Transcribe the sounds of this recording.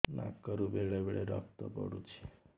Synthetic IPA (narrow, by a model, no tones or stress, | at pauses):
na̰kːəɾũbeɭebeɭeɾɔ̰k̚ʰt̪ɔ̰pɔ̰ɽũt͡ʃʰe